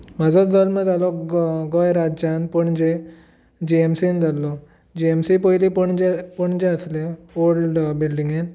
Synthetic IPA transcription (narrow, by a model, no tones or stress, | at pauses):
mad͡zɔd͡zɔlməd̪alɔɡɔjɾad͡ʑanpəɳd͡ʑe | d͡ʑiemsind̪ʱalːɔ | d͡ʑiemsipəjlipəɳd͡ʑepəɳd͡ʑẽəslẽolɖbilɖiŋɡen